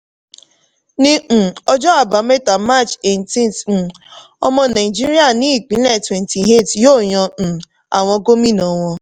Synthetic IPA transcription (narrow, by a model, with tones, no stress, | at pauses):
ni˦˨ɔ˦d͡ʒɔ˦a˨ba˨me˦ta˨ma˦˨t͡ʃe˨n˨ti˦t̩˨ | ɔ̰˦mɔ˦na˨i˨d͡ʒi˦ɾi˦a˨ni˦˨k͡pi˨˦lɛ˨twe˨nti˨ɦe˦˨tjo˦˨ɲɔ˧n̩˨ | a̰˨ŋʷɔ˦ɡo˦mi˦nɔ˨ŋʷɔ˦